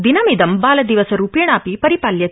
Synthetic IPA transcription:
d̪inɐmid̪ɐmbaːlɐd̪iʋɐsɐɾuːpijɐɳaːpipɐɾipaːljɐ

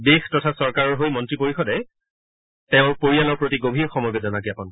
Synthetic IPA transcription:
bextɔtʰasɔɹkaɹɔɹɦojmɔntɹipoɹixɔdɛ | tɛʊ̃poɹialɔɹpɹotiɡobʱiɛxɔmɔjbɛzɔnakiapɔn

